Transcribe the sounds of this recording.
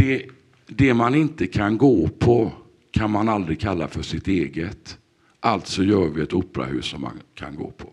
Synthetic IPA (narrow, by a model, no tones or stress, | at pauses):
d̪̥ɛ | d̪ɛmanɪnt̪əkʰanɡoːpʰɔ | kʰanmanald̪ɾɪkʰalːafœʂɪt̪eːɡət̪ | ʔalt̪sɔjœːɾvɪɛt̪uːpːɾa̰hʉ̟̰ːsːɔmːa̰nkʰa̰nɡo̰ːpʰɔ̥